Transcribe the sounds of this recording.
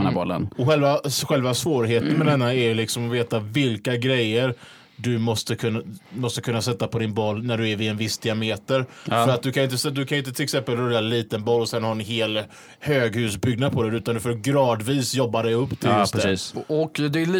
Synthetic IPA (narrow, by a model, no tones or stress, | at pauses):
abɔlːə̰nɔɧɛlvaɧɛlvasvoːɾɦeːt̪ənmɛd̪ɛnːaæɾjlɪksɔmɔveːt̪avɪlkaɡɾɛjːəɾ | d̪ɵmɔst̪əkʰɵnːmɔst̪əkʰɵnːasɛt̪ːapʰɔd̪ɪnbɔlːnæɖɵæɾvɪɛnvɪsːd̪ɪameːt̪əɾfœɾat̪̚d̪ɵkʰanɪnt̪əsd̪ɵkʰanɪnt̪ət̪ʰɪlɛksɛmpəlɾœɾjːaliːt̪ənbɔlːɔsɛnːhaɾɛnɦeːl | høːɡhʉ̟ːsbʏɡ̚nad̪̚pʰɔd̪ɛʉ̟ːt̪and̪ɵfoːɾɡɾɑːd̪viːsjɔbːad̪ɛjɵpːt̪ʰɪlst̪siːsɔkd̪ɛl